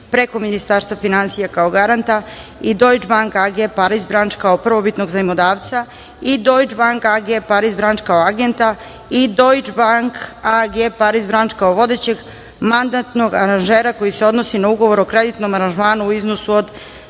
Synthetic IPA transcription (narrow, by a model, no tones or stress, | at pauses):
pɾeko̞minist̪aɾst̪ʋafinansijakao̞ɡaɾant̪aid̪o̞jd͡ʒbaŋkaɡepaɾizbɾant͡ʃkaopr̩ʋo̞bit̪no̞ɡzanimod̪aːʋt̪sa | id̪o̞jd͡ʒbaŋkaɡepaɾizbɾant͡ʃkaoaɡe̞nt̪a | id̪o̞jd͡ʒbaŋkaɡepaɾizbɾant͡ʃkaoʋo̞d̪et͡ɕe̞ɡ | mand̪at̪no̞ɡaɾanʒeːɾako̞jise̞o̞d̪no̞sinauɡo̞ʋo̞ɾo̞kɾe̞d̪it̪no̞maɾanʒmaːnuːiznosuod̪